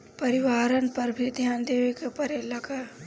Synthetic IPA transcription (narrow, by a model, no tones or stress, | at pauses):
pɐɾɪʋaːɾənpɐɾbʱid̪ʱjaːnd̪eːʋekepɐɾelɐka